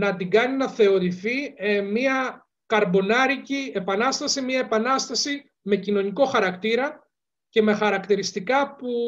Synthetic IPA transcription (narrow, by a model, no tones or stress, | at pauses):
nɐd̪iɡɐninɐθe̞o̞ɾiθimiɐ | kɐɾbo̞nɐɾicie̞pɐnɐst̪ɐsimiɐe̞pɐnɐst̪ɐsi | me̞cino̞niko̞xɐɾɐkt̪iɾɐ | ce̞me̞xɐɾɐkt̪iɾist̪ikɐpu